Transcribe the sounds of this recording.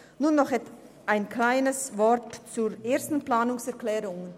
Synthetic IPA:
nuːnːɔχɛt | ʔaɪnkʰlaɪnəsvɔɾtt͡suːɾeːstn̩plaːnʊŋsɛɐklɛːɾʊŋən

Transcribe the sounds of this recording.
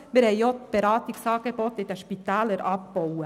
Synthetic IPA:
mɪːɾhɛɪjot̪b̥eɾɑːt̪ɪksɑːɡ̥ebɔt̪ɪd̥̪ɛʃpit̪æːləɾɑpbɔwə

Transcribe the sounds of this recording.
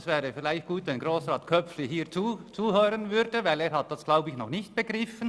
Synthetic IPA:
svɛːʁəfɪlaɪçt̚ɡ̥uːtvɛnɡʁoːsʁɑːtkʰœp͡flɪɦiːʁt͡suːt͡suːhøːʁənvʏɾdəvaɪleːɾhat̚d̥asɡ̥laʊbəɪçnɔχnɪçt̚b̥əɡ̥ʁɪfən

